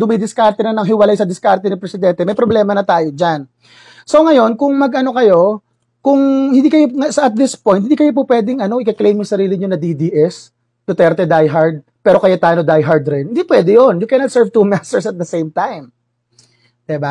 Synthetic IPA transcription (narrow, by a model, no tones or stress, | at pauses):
d̪ʊmɐjd̪ɪskaɾt̪ɛnɐnɐŋɦɪwɐlajsɐd̪ɪskaɾt̪ɛnɪpɾɛsɪd̪ɛnt̪ɛmɐjpɾoblɛːmɐnɐt̪aːjod͡ʒan | so̞ŋɐjo̞nkʊŋmɐɡʔɐno̞kɐjo̞ | kʊŋhɪnd̪iːkɐjoŋɐsɐʔɐt̪̚d̪ɪspojn̚ɪnd̪ikɐjop̬upwɛːd̪ɪŋɐno̞ʔɪkɐklejmjʊsɐɾiːlɪɲonɐd̪id̪iːʔɛs | t̪ʊt̪ɛɾt̪ɛd̪ajɦaɹd̪̚ | pɛːɾokɐjat̪aːjnod̪ajɦaɹd̪ɾɛnɪnd̪ipwɛd̪ɛjonjʊkɛnɐt̪sɛɹvt̪umast̪ɛɹsɐt̪̚d̪ɐsejmt̪ajm | d̪ɪba